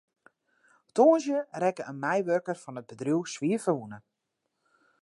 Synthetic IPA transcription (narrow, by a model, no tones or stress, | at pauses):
toːənsjərɛkəʔənmɛjʋøkərfɔnəd̚bədrjuwsʋiəfəʋunə